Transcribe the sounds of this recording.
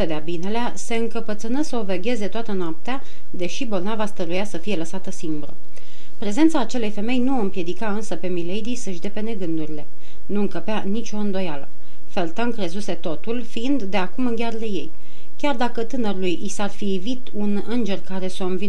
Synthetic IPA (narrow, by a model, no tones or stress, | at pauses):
əd̪eabine̞lease̞ɨŋkəpət̪sɨnəsəoveɡʲe̞ze̞t̪oat̪ənoap̚t̪ea | d̪e̞ʃibo̞lnavast̪əɾujasəfije̞ləsat̪əsimbɾə̰ | pɾe̞ze̞nt̪saːt͡ʃe̞le̞jfe̞me̞jnuɨmpje̞d̪ikaɨnsəpe̞milejd̪isəʃd̪e̞pe̞ne̞ɡɨnd̪uɾile̞ | nuɨŋkəpeanit͡ʃʲo̞ɨnd̪o̞jalə̰ | felt̪aŋkɾe̞zuse̞t̪o̞t̪ulfiind̪ːe̞akumɨŋɡʲarle̞je̞̰j | kʲard̪akət̪ɨnəɾulujisarfivit̪unɨnd͡ʒe̞rkaɾe̞so̞ɨnvi